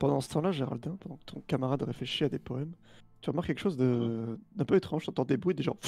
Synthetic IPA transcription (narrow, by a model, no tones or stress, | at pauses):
pɑ̃d̪ɑ̃sə̥t̪ɑ̃laʒeʁa̰ld̪ɛ̃pɑ̃d̪ɑ̃kə̥t̪ʰɔ̃kamaʁad̪ʁefleʃiad̪epɔɛmt̪yʁəmaʁkːɛkəʃozd̪əd̪ɛ̃pøet̪χɑ̃ʒt̪ɑ̃t̪ɑ̃d̪ebʁɥid̪eʒɑ̰̃